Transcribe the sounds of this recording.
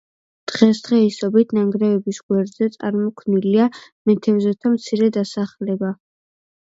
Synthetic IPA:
d̪̥ʁɛsd̪̥ʁɛisɔbit̪ʰnaŋɡɾɛvɛbisɡ̥wɛɾd̪zɛt̪sʼa̰ɾmɔkʰnilia | mɛt̪ʰɛvzɛt̪ʰamt̪sʰiɾɛd̪asaχlɛba

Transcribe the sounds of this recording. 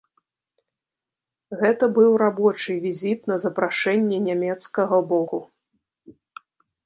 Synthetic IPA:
ɣɛt̪ɐbɨwɾabɔt͡ʂɨvʲizʲit̪nɐzɐpɾaʂɛnʲːɛnʲamʲɛt̪skɐɣɐbɔku

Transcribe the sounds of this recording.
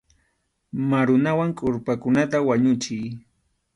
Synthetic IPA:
maɾʊnawaŋkʼʊɾpakʊnat̪awaɲʊt͡ʃɪj

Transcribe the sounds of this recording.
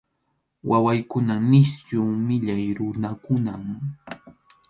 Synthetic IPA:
wʔawajkʊnanɪsjuːmɪʎajɾʊnakʊnam

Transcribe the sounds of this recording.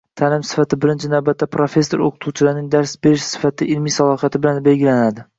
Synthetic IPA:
t̪ʰaːlɪmsɪ̥fat̪ɪbɪɾɪnt͡ʃʰɪnawbat̪ːapʰɾofe̞sːoɾo̰qʰʊt̪ʰut͡ʃʰɪlaɾnɪŋd̪aɾsbeɾɪʃsɪ̥fat̪ʰɪɪlmijsalˠɒhjat̪ʰɪbɪlanbelɡʲɪlanad̪ɪ

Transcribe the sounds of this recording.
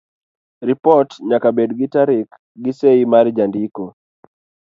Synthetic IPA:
ɾipɔtɲakabedɡitaɾɪk | ɡiseimaɾd͡ʒandiko

